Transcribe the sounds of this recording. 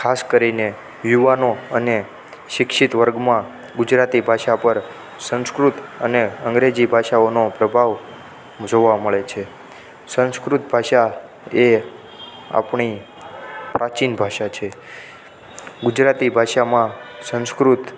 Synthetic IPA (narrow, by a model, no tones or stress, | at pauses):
kʰaskəɾine | juʋanoəne | ʃɪkʃit̪ʋəɾɡmã | ɡʊd͡ʒɾat̪ibʱaʃapəɾ | sə̃ñskɾut̪əneəŋɡɾed͡ʒibʱaʃaonopɾəbʱaʋ | d͡ʒoʋaməɭet͡ʃʰe | sə̃nskɾut̪bʱaʃa | e | a̰pɳi | pɾat͡ʃinbʱaʃat͡ʃʰe | ɡʊd͡ʒɾat̪ibʱaʃamãsə̃ñskɾut̪